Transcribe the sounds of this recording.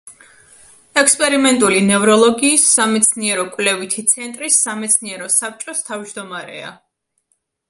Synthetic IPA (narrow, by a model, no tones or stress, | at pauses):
ɛkspʼɛɾimɛnt̪ʼulinɛvɾɔlˠɔɡiːsːamɛt̪sʰniɛɾɔkʼvlɛvit̪ʰit̪sʰɛnt̪ʼɾisːamɛt̪sʰniɛɾɔsap̚t͡ʃʼɔst̪ʰavd͡ʒd̪ɔmaɾɛ̰a̰